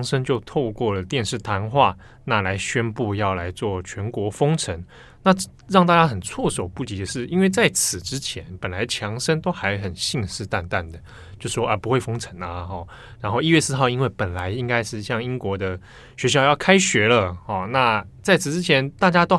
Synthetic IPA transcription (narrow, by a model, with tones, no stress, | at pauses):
ŋʂə˥nt͡ɕjo˥˧ʊt̪ʰo˥˧ʊkwɔ˥˩lə˩t̪jɛ˥˧nʂɻ̩˥˩t̪ʰa˧˥nxwa˥˩ | na˥˩la˧˥ɪɕɥɛ˥npu˥˧jɑ˥˩ʊla˧˥ɪt͡swɔ˥˩t͡ɕʰɥɛ˧˥nkwɔ˧˥fo˥ŋʈ͡ʂʰə˧˥ŋ | na˥˧ | ɻɑ˥˩ŋt̪a˥˧t͡ɕja˥xə˨˩nt͡sʰwɔ˥˩so˨˩ʊpu˥˩t͡ɕi˧˥d̪ə˨ʂɻ̩˥˩i˥nwe˥˧ɪt͡sa˥˩ɪt͡sʰɹ̩˨˩ʈ͡ʂɻ̩˥t͡ɕʰjɛ˧˥npə˨˩nla˨˥ɪt͡ɕʰjɑ˧˥ŋʂə˥nt̪o˥ʊxa˧˥ɪxə˨˩nɕi˥˧ŋʂɻ̩˥˧t̪a˥˧nt̪a˥˩nd̪ə˩ | t͡ɕjo˥˧ʂʂwɔ˥ʔə˧˩pu˧˥xwe˥˩ɪfo˥ŋʈ͡ʂʰə˧˥ŋɐ˨xɔ˥˩ | ɻa˧˥nxo˥˧i˥˧ɥɛ˥˧sɹ̩˥xɑ˥˩ʊi˥nwe˥˩ɪpə˨˩nla˨˦ɪi˥ŋka˥ɪʂɻ̩˥˧ɕjɑ˥˩ŋi˥ŋkwɔ˧˥d̪ə˧ | ɕɥɛ˧˥ɕjɑ˥˧ʊjɑ˥˩ʊkʰa˥ɪɕɥɛ˧˥lə˨hɔ˥˩na˥˩t͡sa˥˩ɪt͡sʰɹ̩˨˩ʈ͡ʂɻ̩˥t͡ɕʰjɛ˧˥nt̪a˥˩t͡ɕja˥t̪o˥ʊ